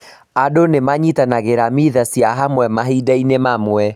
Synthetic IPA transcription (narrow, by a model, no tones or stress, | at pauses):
adonemaɲitanaɣeɾamiðasjaɦamwɛmaɦidainemamwɛ